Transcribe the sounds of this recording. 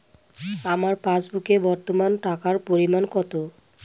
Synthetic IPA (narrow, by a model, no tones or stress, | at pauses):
amaɾpãt͡ɕbukebɔɾt̪omanʈakaɾpoɾimankɔt̪o